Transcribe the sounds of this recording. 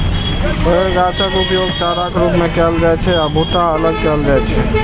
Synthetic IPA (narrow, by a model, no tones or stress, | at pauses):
əɾat͡ʃakupjoɡt͡ʃaɾakɾupmẽkɛlɾəɦɛt͡ʃʰɛaːbʱoʈ̪aələɡ̚kɛlɾəɛt͡ʃʰɛ